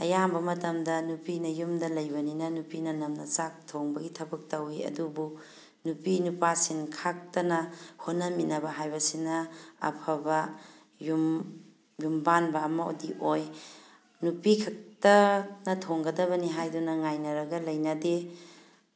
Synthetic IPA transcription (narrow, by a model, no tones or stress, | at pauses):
ɐ̰jambɐmɐtɐmdɐnupinɐjumdɐlɐjbɐninɐnupinɐnɐmnɐsak̚tʰoŋbɐɡitʰɐbɐk̚tɐwiɐ̰dubu | nupinupasinkʰak̚tɐnɐhonːɐminɐbɐɦajbɐsinɐɐ̰pʰɐbɐ | jum | jumbanbɐːmɐo̰diʔoj | nupikʰɐk̚tɐnɐtʰoŋɡɐdɐβɐniɦajdunɐŋajnɐɾɐɡɐlɐjnɐde